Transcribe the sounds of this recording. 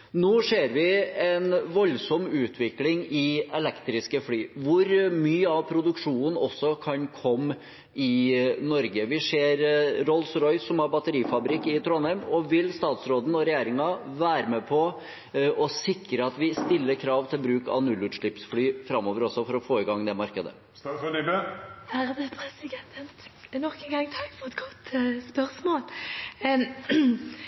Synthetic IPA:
noːʂeːɾʋɪɛnʋɔlsɔmʉːt̪ʰʋɪklɪŋɪɛlɛkt̪ɾɪskəflyːʋʊɾmyːəɑʋpʰɾʊd̪ʉkʂuːnən̩ɔsːɔkʰɑnkʰɔmː | ɪnɔɾɡəʋɪʂeːɾɾɔlsɾɔʏsːɔmhɑɾbɑt̪əɾiːfɑbɾɪkːɪt̪ʰɾɔnæɾmɔʋɪlst̪ɑːt̪sɾoːd̪ən̩ɔɾɛjeːɾɪŋɑʋæːɾəmɛpʰɔ | ɔsɪkːɾəɑt̪ʋɪst̪ɪlːəɾkʰɾɑːʋt̪ʰɪlbɾʉːkɑ̰ʋnʉlːʉːt̪ʂɭɪpsflyːfɾɑmːoːʋəɾɔsɔfɔɾɔfoːɪɡɑŋːd̪ɛmɑɾkəd̪ə̰ | ɪbəhæɾɑd̪ɛpʰɾɛsɪɡ̪ɛnt̪ʰənt̪nɔkənɡɑŋːt̪ʰɑkːfɔɛt̪ɡɔt̪spœɾsmoːl

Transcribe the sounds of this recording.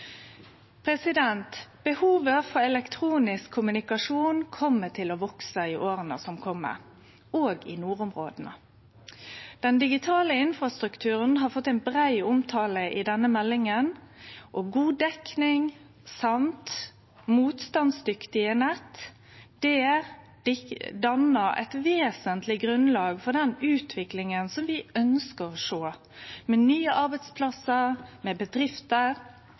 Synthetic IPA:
pʰɾɛsɪd̪ɛnt̪b̥əhuːʋəfɔɾɛlɛkt̪ʰɾuːnɪskʰːʊmʉnɪkɑʂuːnkʰɔmːət̪ʰɪlɔʋɔksəɪʔoːɾənə̰sɔmkʰɔmːə̰ | oːɡɪ̰nuːɾʊmʁo̰ːd̪n̩ə̰ | d̪̥ɛnd̪ɪɡɪt̪ʰɑːləɪnfʁɑst̪ɾʉkt̪ʰʉːʁənɦɑfɔt̪ːæɪnbʁæɪʊmt̪ʰɑːləʔɪd̪ɛnːəmɛlːɪŋən | ʔɔɡuːd̪ɛknɪŋ | sɑmt̪ | muːt̪st̪ɑnsd̪ʏkt̪ɪənɛt̪ː | d̪̥ɛ | dɪd̪ɑnəɾɛ̰ɪt̪ʋeːsənt̪lɪɡɾʉnlɑːɡfɔd̪ɛnʉːt̪ʰʋɪklɪŋənsɔmʋɪœnskəʁɔʂoː | mɛnyːəʔɑɾbæɪt̪spʰlɑsəɾmɛbəd̪ɾɪft̪əɾ

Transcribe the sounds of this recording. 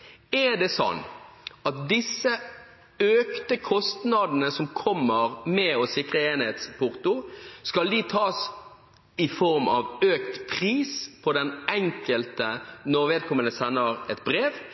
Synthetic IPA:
ɛd̪ɛsɔ̰nːɑt̪̚d̪ɪsːə | øːkt̪əkʰɔst̪nɑd̪n̩əsɔmkʰɔmːəʁmɛɔsɪkɾəeːnheːt̪spʰʊʁt̪ʊskɑld̪it̪ʰɑːs | ɪfɔʁmɑ̰ʋøːkt̪pʰʁiːspʰɔd̪ɛnɛŋkəlt̪ənɔɾʋeːd̪̚kʰɔmːənəsɛnːəʁɛt̪̚bɾeːʋ

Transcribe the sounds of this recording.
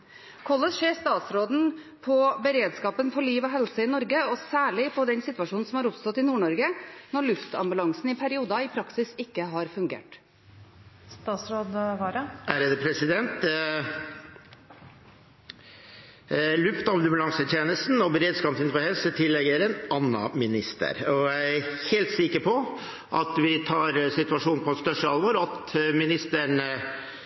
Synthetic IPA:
kʰɔləsʂeːst̪ɑːt̪sɾoːd̪n̩ | pʰɔbəɾeːd̪skɑːpənfɔɾɭiːʋɔɦɛlsəɪnɔɾɡəɔsæːɭɪpʰɔd̪ɛnsɪt̪ʋɑʂuːnn̩sɔmhɑɾʊpst̪ɔt̪ːɪnuːɳɔɾɡənɔɾɭʉft̪ɑ̰mbʉlɑŋsn̩ɪpʰæɾɪuːd̪ɑɪpʰɾɑksɪsɪkːəɦɑɾfʉŋɡḛːʈ | st̪ɑːsɾoːd̪ʋɑɾəæɾəd̪əpʰɾɛsɪd̪ɛnt̪ | lʉft̪ɑmmʉlɑŋsət̪ʰjeːnəst̪n̩ɔbəɾeːd̪skɑːmsɪnfɔhɛlsət̪ʰɪlːɛɡəɾɛnɑnːɑ̰mɪnɪst̪ə̰ɾɔjæɪæɾheːlt̪sɪkəɾpʰɔ | ʔɑt̪ʋɪt̪ʰɑːɾsɪt̪ʉɑʂuːnpʰɔɛt̪st̪œʂəɑlʋoɾɑt̪mɪnɪst̪əɳ

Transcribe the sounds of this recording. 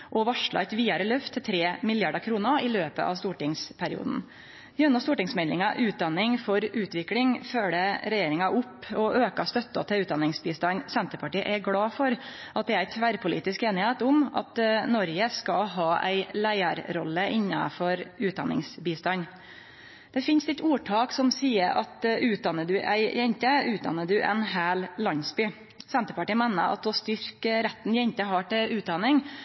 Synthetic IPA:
ʔɔʋɑʂɭɑ̰ɛt̪ʋiːɑɾəlœft̪ʰːɪlt̪ʰɾeːmɪljɑɖəkʰɾuːnəɾɪløːpə̰ʔɑ̰ʋst̪uːʈɪŋspʰæɾɪ̰ṵːd̪n̩ | ɪʉnːəst̪uːʈɪŋsmɛlɪ̰ŋɑʔʉːt̪̚d̪ɑnɪŋfɔɾʉːt̪ʋɪklɪŋføːləɾɛjeːɾɪŋɑʔʊpːɔʔøːkɑst̪œt̪ːɔ̰t̪ʰɛʉːt̪̚d̪ɑnɪŋsbiːst̪ɑnsɛnt̪əpɑʈiːəʔɛɡɽɑːfɔɾ | ʔɑt̪̚d̪ɛːæɪt̪ʰʋæɾpʊlḭːt̪ɪskeːnɪheːt̪ʊmɑ̰t̪nɔɾɡəskɑɦɑːʔæ̰ɪlæɪəɾɾɔlːəʔɪnːɑ̰fɔɾʉːt̪d̪ɑ̰nɪ̰ŋsbiːst̪ɑɲ | d̪̥ɛfɪnst̪ɛt̪uːʈʰɑːksɔmsiːəɾʔɑt̪ʉːt̪̚d̪ɑnːəd̪ʉʔæ̰ɪjɛɲt̪əʉːt̪̚d̪ɑ̰nːəd̪ʉʔɛ̰nɦæːllɑnsbyː | sɛnt̪əpɑʈiːəmænə̰ɑ̰t̪ɔst̪ʏɾkɾɛt̪ːnjɛɲt̪əɦɑʈɪlʔʉːt̪̚d̪ɑnɪŋ

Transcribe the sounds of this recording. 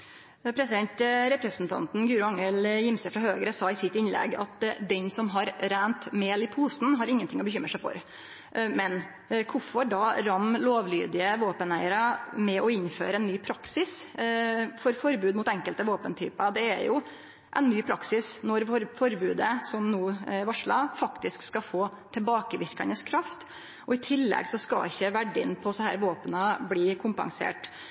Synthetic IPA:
pʰɾɛsɪd̪ɛnt̪ɾɛpɾɛsn̩t̪ʰɑ̰nt̪n̩ɡjʉːɾʊɑŋːəljɪmsəfɾɑɦøːɡəɾəsɑːɪsɪt̪ɪnlɛ̰ɡɑ̰t̪d̪ɛnsɔmɦɑɾɾæːnt̪meːlɪpʰuːsn̩ɦɑɾɪŋːənt̪ʰɪŋːɔbəçʏmːɾəʂæɪfɔ̰ɾ | mɛn | kʰʊfɔɖɑːɾɑmloːʋly̰ːd̪ɪəʋoːpənæɪəɾɑmɛʔɔɪnːfø̰ːɾəɛnːyːpʰɾɑksɪs | fɔɾfɔɾbʉːd̪mʊt̪ɛŋkəlt̪əʋoːpənt̪ʰy̰ːpɑd̪ɛæ̰ɾjʊ | ʔɛnnyːpʰɾɑksɪsnɔɾɔɾfɔɾbʉːd̪əsɔmnuːʋɑʂɭɑfɑkt̪ɪskskɑfoː | t̪ʰɪlbɑːkəʋɪɾkɑnəskʰɾɑft̪ | ɔɪt̪ʰɪlːɛ̰ɡsɔskɑɪçːəʋæɖːɪnpʰɔsɔhæ̰ːɾʋoːpənɑbliːkʰʊmpɑ̰ŋsḛːʈ

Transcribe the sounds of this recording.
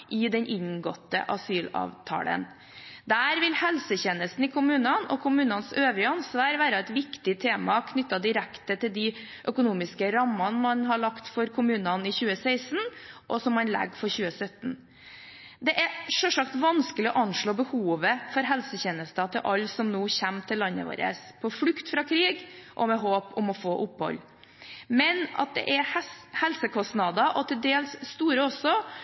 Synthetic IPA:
ʔɪd̪ɛnʔɪɲɡɔt̪ːə̰ʔɑsyːlɑ̰ːʋt̪ʰɑ̰ːlə̰n | d̪æːɾʋɪlhɛlsəçɛːnəst̪n̩ɪkʰʊmʉːnɑnɔ̰kʰʊmʉːnɑnsøːʋɪɑnsʋɑːɾʋæːɾɑɛt̪ʋɪkt̪ɪt̪ʰeːmɑkʰnʏt̪ːɑd̪ɪɾɛkt̪ət̪ʰɪld̪ɪ | ʔœkʊnuːmɪskəɾɑmːɑnmɑnɦɑɭɑkt̪fɔɾkʰʊmʉːnɑnɪçʉːəsæɪsnʔɔsɔmmɑnlɛ̰ɡːfɔɾçʉːəsœt̪n̩ | d̪ɛʔæɾʂɔʂɑk̚t̪ʋɑnskəlɪɔʔɑnʂɭoːbəhuːʋəfɔɾɦɛlsəçeːnəst̪ɑt̪ʰɪlʔɑlːsɔmnuːçæmt̪ʰɪlːɑnːə̰ʋo̰ːɾə̰spʰɔflʉkt̪fɾɑkʰɾiːɡʔɔmɛɦoːpʊmɔfoːʔʊphɔ̰lː | mɛnɑ̰t̪̚d̪ɛ̰ʔɛhɛhɛlsəkʰɔst̪nɑd̪ɑʔɔt̪ʰɪld̪eːlsːt̪uːɾəɔsɔ

